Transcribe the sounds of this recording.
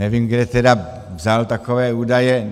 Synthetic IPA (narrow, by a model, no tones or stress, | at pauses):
ɛviːmɡdɛt̪ɛda | vzalt̪akovɛːuːdajɛ